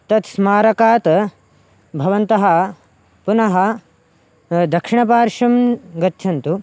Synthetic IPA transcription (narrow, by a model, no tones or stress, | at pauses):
t̪ɐt̪smaːɾɐkaːt̪ | bʱɐʋɐnt̪ɐɦɐ | punɐɦɐ | d̪ɐkʂiɳɐpaːɾʂɐmɡɐt̪ːt͡ʃʰɐnt̪u